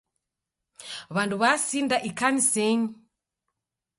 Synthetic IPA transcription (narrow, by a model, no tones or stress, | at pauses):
βanduβasindaʔikanisɛni